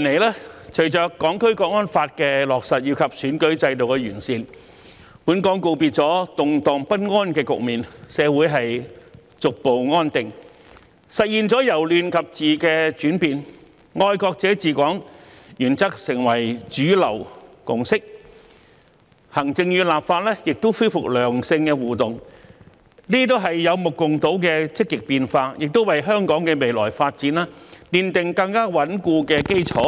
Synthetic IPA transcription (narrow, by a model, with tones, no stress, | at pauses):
i˨nle˨˩jlaː˥t͡ʃʰɵ˨˩ɥt͡ʃœː˨kːɔː˨˥ŋkʰɵ˥ɥkɔː˧k̚ŋɔː˥nfaː˧t̚kɛː˧lɔː˨k̚sɐ˨t̚jiː˧wkʰɐ˨p̚syː˨˥nkɵ˨˥ɥt͡sɐ˧jt̪o˨wkɛː˧jyː˨˩nsiː˧n | puː˨˥nkɔː˨˥ŋko˧wpiː˧t̚t͡sɔː˨˥t̪ʊ˨ŋt̪ɔː˨ŋpɐ˥t̚ŋɔː˥nkɛː˧kʊ̰˨k̚miː˨nsɛː˨˧wuː˨˥jɦɐ˨j | t͡sʊ˨k̚po˨wŋɔː˥nt̪ɪ˨ŋ | sɐ˨t̚jiː˨nt͡sɔː˨˥jɐ˨˩wlyː˨nkʰɐ˨p̚t͡siː˨kɛː˧t͡ʃyː˨˥npiː˨n | ŋɔː˧jkɔː˧k̚t͡sɛː˨˥t͡siː˨˧kʷɔː˨˥ŋjyː˨˩nt͡sɐ˥k̚sɪ˨˩ŋwɐ˨˩jt͡ʃyː˨˥lɐ̰˨˩w | kʊ˨˩ŋsɪ˥k̚ | hɐ˨˩ŋt͡sɪ˧ŋjyː˧laː˨p̚faː˧t̚lɛː˥jɪ˨k̚t̪o˥wfuː˥fʊ˨k̚lœː˨˩ŋsɪ˧ŋkɛ˧wuː˨˩t̪ʊ˨ŋ | niː˥t̪̬o˥wɦɐ˨jːɐ˨˧wmʊ˨kːʊ˨ŋt̪o˨˥wkɛː˧t͡sɪ˥k̚ːɪ˨k̚piː˧nfaː˧jɪ˨k̚t̪o˥wɐ˨jɦœː˥ŋkɔː˨˥ŋkɛː˧me˨jlɔ̰ː˨˩jfaː˧t̚t͡siː˨˥naː˥liː˨nt̪ɪ˨ŋkɐ˧ŋkaː˥wɐ˨˥nkuː˧kɛː˧ke˥jt͡ʃʰɔː˨˥